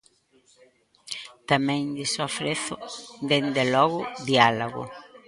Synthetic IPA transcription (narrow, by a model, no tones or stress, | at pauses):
t̪amɛ̃ŋd̪ɪsofɾeθʊd̪end̪elɔɣʊðialoɣʊ̰